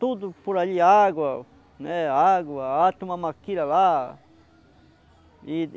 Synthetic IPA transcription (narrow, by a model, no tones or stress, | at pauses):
t̪ud̪upuɾaʎiaɡwa | neaɡaat̪umamakiɾaβa | i